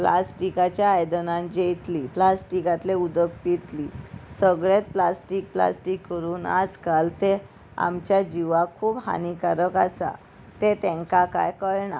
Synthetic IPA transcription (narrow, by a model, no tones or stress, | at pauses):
plasʈikat͡ɕjaːjd̪ənãnd͡ʑejt̪liːplasʈikat̪leud̪ək̚pit̪lisəɡɭet̪̚plasʈik̚pla̰sʈikːəɾuːna̰d͡zkalt̪e | a̰mt͡ɕjad͡ʑiʋakʰuːbha̰nikaɾəkasa̰ | t̪et̪ɛ̃ŋkaka̰jkəɭɳa̰